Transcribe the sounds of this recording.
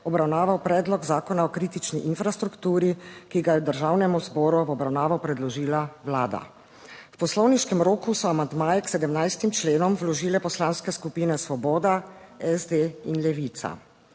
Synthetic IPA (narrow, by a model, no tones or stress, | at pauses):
ɔbɾawnaːʋawpɾɛːd̪lɔɡzaːkɔnaɔkɾiːt̪it͡ʃniʔinfɾast̪ɾukt̪uːɾikiɡajɛd̪əɾʒawnɛmuzbɔːɾuɔbɾawnaːʋawpɾɛd̪lɔʒiːlawlaːd̪a̰ | wpɔslɔwniʃkɛmɾoːkusɔamand̪maːjɛksɛd̪əmnajst̪imt͡ʃleːnɔmwlɔʒiːlɛpɔslaːnskɛskupiːnɛsʋɔbɔːd̪aɛzd̪einlɛʋit̪sa̰